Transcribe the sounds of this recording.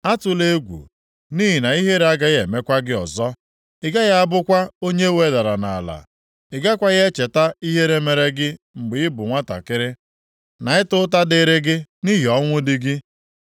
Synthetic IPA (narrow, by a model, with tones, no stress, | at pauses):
a˦tʊ˨le˦ɡʷṵ˨ | ni˦ɦi˨na˨i˦ɦe˦ɾa˦ɡa˦ɣe˨me˦kʷa˦ɡɪ˦ɔ˨zɔ˦ | ɪ˨ɡa˦ɣa˦a˦bʊ˦kʷa˦o˦ɲe˦we˨˦da˨ɾa˨na˨a̰˨la̰˨ | ɪ˨ɡa˦kʷa˦ɣe˦t͡ʃe˨ta˦i˦ɦe˦ɾe˦me˨ɾe˦ɡɪ˦ | ŋ͡m̩˨ɡ͡bɪ˨ɪ˦bʊ˨ŋʷa˦ta̰˨kɪ˦ɾɪ˦ | na˨˦ɪ˦tʊ˦ta˦dɪ˦ɾɪ˦ɡɪ˦ni˦ɦi˨ɔ˦ŋʷʊ˦dɪ˦ɡɪ˦